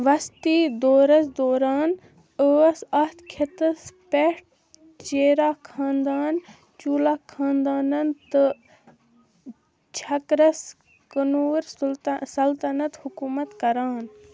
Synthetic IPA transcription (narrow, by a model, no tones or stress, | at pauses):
ʋɐst̪iːd̪oːɾɐsd̪oːɾaːn | əsɐht̪ʰkʰet̪ɐspeʈ̚ | t͡ʃeːɾaːkʰãːnd̪aːn | t͡ʃuːlaːkʰãːnd̪aːnɐnt̪ɨ | t͡ʃʰɐkɾɐs | kɐnuːɾsɐlt̪ɐnɐt̪hʊkuːmɐt̪kɐɾaːn